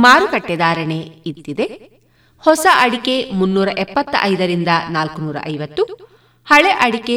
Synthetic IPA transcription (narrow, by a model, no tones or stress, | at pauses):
maːɾukɐʈːɛd̪aːɾɐɳeit̪ːid̪e̞ | hɔsɐʔɐɽike̞munːuːɾɐʔɛpːɐt̪ːʔɐjd̪ɐɾind̪ɐnaːlkunuːɾɐ̰ʔɐjʋɐt̪ːu | hɐɭeʔɐɽike